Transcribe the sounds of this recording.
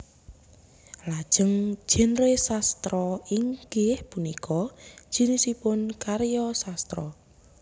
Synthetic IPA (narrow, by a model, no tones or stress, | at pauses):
lad̥ʒ̥ə̤ŋ̥ʒ̥ɛ̤nɾesast̪ɾɔiŋɡɪhpunikʰɔ̥ʒ̥i̤nisipʊnkaɾjɔsast̪ɾɔ